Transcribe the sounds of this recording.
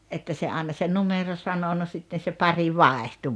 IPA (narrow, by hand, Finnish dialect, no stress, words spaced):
etːæ se ɑːĕnɑ se numero sɑno no sitːen̞ se pɑri ʋɑˑehtu̥